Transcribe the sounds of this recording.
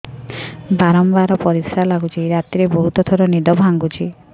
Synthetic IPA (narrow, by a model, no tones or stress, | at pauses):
baɾɔmbaɾɔpɔɾisalaɡut͡ʃʰiɾat̪iɾebɔɦut̪ɔt̪ʰɔɾɔnid̪ɔbʱaŋɡut͡ʃʰi